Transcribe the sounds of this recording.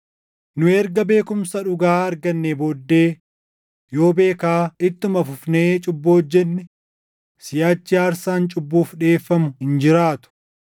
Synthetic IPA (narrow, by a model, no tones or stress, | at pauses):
nʊɛɾɡɐbe̞ːkʊmsɐᶑʊɡaːɐɾɡɐnːeboːd̪ːe̞ː | jo̞ːbe̞ːkaːɪt̪ːʊmɐfʊfneːt͡ʃʼʊbːoːd͡ʒːɛnːɛ | sɪjaːt͡ʃːɪaːɾsaːnt͡ʃʼʊbːuːfᶑe̞ːfːɐmʊhɪnd͡ʒɪɾaːt̪ʊ̥